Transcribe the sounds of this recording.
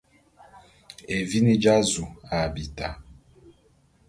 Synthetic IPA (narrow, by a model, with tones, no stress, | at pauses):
e˨vi˦ni˦d͡ʒa˦zu˨a˨bi˨ta˨